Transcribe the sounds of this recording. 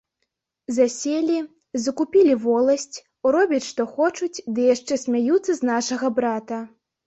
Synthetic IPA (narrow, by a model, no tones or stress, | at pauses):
zasʲelʲi | zɐkupʲilʲivɔlˠɐsʲt͡sʲ | ɾɔbʲit͡sʲʂt̪ɔxɔt͡ʂut͡sʲd̪ɨjaʂt͡ʂɛsʲmʲajut̪sːɐznaʂɐɣɐbɾat̪ɐ